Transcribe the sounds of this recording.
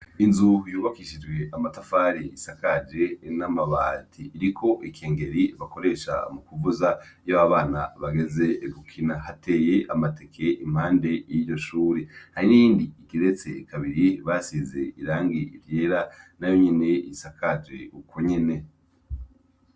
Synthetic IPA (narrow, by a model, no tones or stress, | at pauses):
inzujuːβakiʃid͡ʒɡwe̞ʔamatafaɾiisakad͡ʒe̞namaβaːtʰiːɾikʰo̞ʔikʰeːŋɡe̞ɾiβako̞ɾe̞ːʃa̰mukuvuzajaβaβaːna̰βaɡe̞ze̞ɡukʰinaɦate̞ːjeʔamate̞kʰe̞ʔim̥haːnde̞jiːɟo̞ʃuːɾehaɾiniiːndiiɡiɾet͡sḛkʰaβiɾiβasize̞iɾaːŋɡiiɾjeɾanajo̞ɲene̞isakʰad͡ʒe̞ukʰo̞ɲe̞ne̞